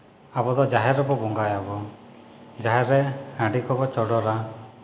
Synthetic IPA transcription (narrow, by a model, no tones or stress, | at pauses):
abɔd̪ɔd͡ʒaɦɛɾɔbɔbɔŋɡajabɔ | d͡ʒaɦɛɾeãɖikʰɔbɔt͡ʃɔɽɔɾa